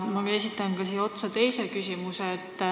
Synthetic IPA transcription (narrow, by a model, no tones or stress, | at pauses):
mɑesit̪ːˑɑnkɑsiːo̞t̪sɑt̪e̞jsekysʲimuseːt̪ː